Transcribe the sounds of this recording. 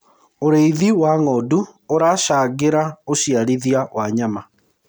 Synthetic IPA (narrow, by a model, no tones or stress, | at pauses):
oɾeiðiwaŋɔduoɾaːʃaɡeɾaoɕiaɾiðiawaɲama